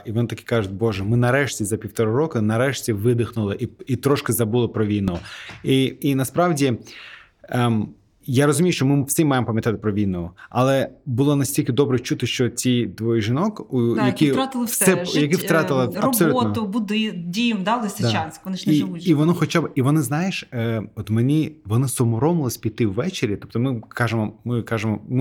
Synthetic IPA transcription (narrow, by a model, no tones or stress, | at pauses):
iʋɔnɪt̪ɐki̥kɑʒʊt̚ʲbɔʒɛmɪnɐɾɛʃtʲizɐpʲiwt̪ɔɾʊɾɔkʊnɐɾɛʃtʲiʋɪd̪ɪxnʊlˠɪʔiit̪ɾɔʃkɪzɐbulˠɪpɾɔʋʲijnɔʊiːnɐspɾɑwdʲi | m | jaɾɔzʊmʲijʊʃt͡ʃɔmɪwsʲɪmmɑjɪmɔpɐmʲjɐt̪ɑt̪ɪ̥pɾɔʋʲinɔʊɐlˠɛbʊlˠɔnɐsʲtʲilʲkɪd̪ɔbɾɛt͡ʃut̪ɪʃt͡ʃɔt͡sʲijd̪ʋɔjʒɪnɔkujɐkɪɾat̪ɪlˠɐsɛjɐkɪwt̪ɾɑt̪ɪlˠɐrɐɔ̥sɔlluɔnt̪ʊbʊd̪ɪdʲijɪmd̪ɑd̪ɐst̪ɪd̪t͡ʃansʲkɔnɪʃiiʋɔnɔxɔt͡ʃabiʋɔnɪznɑjeʃəɔt̪menʲiʋɔnɪsɔmɔɾɔmʊlˠɪsʲpʲit̪ɪwːɛt͡ʃeɾʲit̪ɔp̚t̪ɔmɪkɑʒemɔmɪkɑʒemɔmɪ